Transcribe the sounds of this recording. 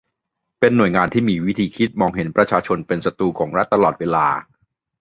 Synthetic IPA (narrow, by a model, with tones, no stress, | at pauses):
pe˧nːu˨˩əjŋaː˧nt̪ʰiː˥˩miː˧wi˦˥t̪ʰiː˧kʰi˦˥t̪̚mɔː˧ŋɦe˩˦npɾa˧t͡ɕʰaː˧t͡ɕʰo˧npe˧nsa˧t̪uː˧kʰɔː˩˦ŋɾa˦˥t̪ːa˧lɔː˨˩t̪̚weː˧laː˧